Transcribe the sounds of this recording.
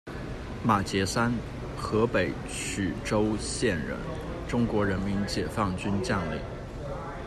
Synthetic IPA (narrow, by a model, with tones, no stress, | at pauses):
ma˨˩t͡ɕjɛ˧˥sa˥n | xɤ˧˥pe˨˩ɪ | t͡ɕʰy˨˩ʈ͡ʂo˥ʊɕjɛ˥˩nɻə̰˧˥n | ʈ͡ʂʊ˥ŋkwɔ˧˥ɻə˧˥nmi˧˥nt͡ɕjɛ˨˩fɑ˥˩ŋt͡ɕy˥nt͡ɕjɑ˥˧ŋlḭ˥˨˩